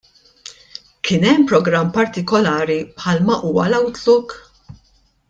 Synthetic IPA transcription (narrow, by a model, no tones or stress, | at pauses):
kʰɪːnɛmːpɾɔɡɾɐmːpɐɾt̪ɪkɔlɐːɾipħɐːlmɐʔuːwɐlɐwt̪luːk